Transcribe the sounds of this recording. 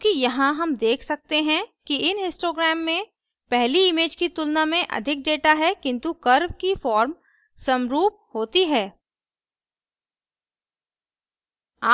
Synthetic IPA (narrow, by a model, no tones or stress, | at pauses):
okijɐɦãɦɐmd̪eːkʰsɐk̚t̪eɦɛ̃kiɪnɪ̃nsʈoːɡɾɛːmːẽ | pɛɦliɪmeːd͡ʒkit̪ʊlnamẽʔɐ̰d̪ʱɪk̚ɖeːʈaɦɛkɪ̃nt̪ukɐɾʋkifɔːɾm | sɐmɾuːp̚ | ɦoːt̪iɦɛː | aː